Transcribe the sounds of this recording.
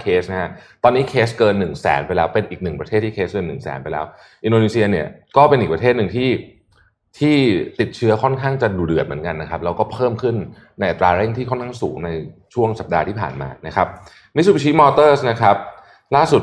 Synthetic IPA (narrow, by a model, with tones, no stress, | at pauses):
kʰeː˦˥sna˦˥a˦˥t̪ɔː˧nːiː˦˥kʰeː˦˥skɤː˧nːɯ˨˩ŋsɛ̰ː˩˦npa˧jlɛː˦˥wpe˧nʔiː˨˩k̚nɯ˨˩ŋpɾa˧t̪ʰeː˥˩t̪ʰːiː˥kʰeː˦˥skɤː˧nːɯ˨˩ŋsɛ̰ː˩˦npa˧jlɛː˦˥w | ʔi˧ndoː˧niː˧˥si˧ɐni˥˩ɐkɔː˥˩pe˧nʔiː˨˩k̚pɾa˧t̪ʰːt̪̚nɯ˨˩ŋt̪ʰiː˥˩ | t̪ʰiː˥˩t̪i˨˩t̪̚t͡ɕʰɯ˦˥ɐkʰɔ˥˩nkʰaː˥˩ŋt͡ɕa˨˩duː˨˩dɯ˨˩ət̪̚mɯ˩˦ənka˧nːa˦˥kʰa˦˥p̚ɾɛ˧wkɔː˥˩pʰɤː˥˩mkʰɯ˥˩nː | na˧jʔa˨˩t̪ːɾaː˧ɾɛː˥˩ŋt̪ʰiː˥˩kʰɔ˥˩nkʰaː˥˩ŋsṵː˩˦ŋna˧jt͡ɕʰu˥˩əŋsa˨˩p̚daː˧t̪ʰiː˥˩pʰa̰ː˨˩nma̰ː˧na˦˥kʰa˦˥p̚ | mi˦˥˩su˨˩pt͡ɕʰiː˦˥mɔː˧t̪ɤː˥˩sna˦˥kʰa˦˥p̚ | laː˥˩su˨˩t̪̚